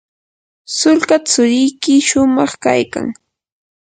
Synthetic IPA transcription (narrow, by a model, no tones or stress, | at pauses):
sʊlkat͡sʊɾɪjkɪʃʊmɑχka̰jka̰ŋ